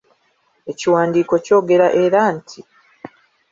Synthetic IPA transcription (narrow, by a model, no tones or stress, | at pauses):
e̞ciwaːndiːko̞co̞ːɡe̞ɾaʔe̞ɾaːntʰi